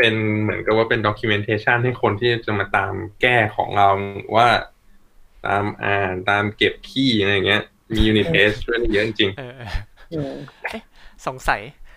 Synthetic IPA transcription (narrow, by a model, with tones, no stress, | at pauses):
pe˧nmɯ˩˦ənka˨˩p̚waː˥˩pe˧ndɔː˧kʰuː˧me˧nt̪ʰeː˧t͡ɕʰa˥˩nha˥˩jkʰo˧nt̪ʰiː˥˩ɾa˧˩t͡ɕa˨˩maː˧t̪aː˧mkɛː˥˩kʰɔ̰ː˩˦ŋɾa˧wwʔaː˥˩ | t̪a̰ː˧mʔa̰ː˨˩nt̪aː˧mke˨˩p̚t̪ʰiː˥˩˧a˧ja˨˩ŋːi˦˥ɐ | miː˧juː˧ni˧˩t̪ʰeː˦˥st͡ɕʰu˥˩˨da˥˩jɤ˦˥ʔi˧˩ŋt͡ɕi˧ŋː˧ʔɯː˧˥˩ | so˨˩˦ŋsa˨˦j